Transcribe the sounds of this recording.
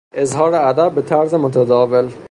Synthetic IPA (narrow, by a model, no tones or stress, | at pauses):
ʔezhɒːɾeæd̪æbbet̪ʰæɾzemot̪ʰæd̪ɒːvel